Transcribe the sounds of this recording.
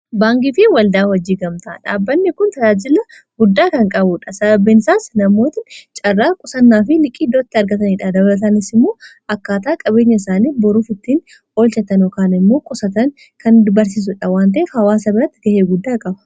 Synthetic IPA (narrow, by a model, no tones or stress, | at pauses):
baːŋɡɪfɪwɐld̪aːwɔd͡ʒːiːɡɐmt̪aᶑa̰ːbːɐnːɛkʊnt̪ɐd͡ʒaːd͡ʒɪlɐ | ɡʊd̪ːaːkɐŋkʼɐbʊᶑɐsɐbɐbːɛnɪsaːsnɐmːo̞ːt̪ɪt͡ʃʼɐrːaːkʼʊsɐnːaːfɪlɪkʼːiːd̪oːt̪ːɪɐɾɡɐt̪ɐniːᶑɐd̪ɐbɐlɐt̪̬ɐnɪsɪmːo̞ː | ɐkːaːt̪aːkʼɐbe̞ːɲːɐɪsaːniːbɔɾuːfɪt̪ːiːn | o̞ːlt͡ʃɛt̪ɐnjokaːnɪmːo̞ːkʼʊsɐt̪ɐŋ | kɐnd̪ʊbɐɾs̬iːs̬ʊᶑɐwaːnt̪̬ɐʔɛfhɐwaːsɐbɪɾɐt̪ːɪɡɐheːɡʊd̪ːaːkʼɐbɐ